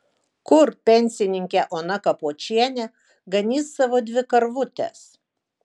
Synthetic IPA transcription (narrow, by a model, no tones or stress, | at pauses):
kʊɾpʲɛnʲsʲɪnʲɪŋʲkʲɛʔoːnɐkɐpoɔt͡ʃʲiɛnʲɛ | ɡɐnʲiːsːɐʋoːd̪ʲʋʲɪkɐɾʋʊt̪ʲɛ̰s